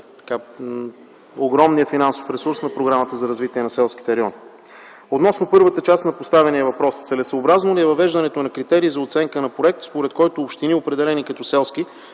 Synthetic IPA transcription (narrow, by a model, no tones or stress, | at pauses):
t̪ɐ̥ka | oɡɾɔmnijəfinanso̥fɾɛsuɾsnɐpɾoɡɾamət̪əzɐɾɐzvit̪iɛnɐsɛlˠsk̟i̥t̪ɛɾɛɔn | ot̪nɔsnopɤɾvət̪ət͡ʃast̪nɐpost̪avɛniəvɐpɾɔst̪sɛlɛsəːbɾaznoliɛvɐvɛʒd̪ɐnɛt̪onɐkɾit̪ɛɾiːzɐot̪sɛŋkənɐpɾoɛk̚t̪spoɾɛt̪kɔjt̪oːpʃt̪iniopɾɛd̪ɛlɛnikɐt̪ɔsɛlˠski